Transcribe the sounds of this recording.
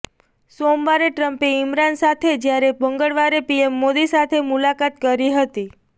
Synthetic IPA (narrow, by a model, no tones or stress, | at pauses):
somʋaɾeʈɾəmpeɪmɾansat̪ʰed͡ʒjaɾebəŋɡəɭʋaɾepiemːod̪isat̪ʰemulakat̪̚kəɾiɦət̪i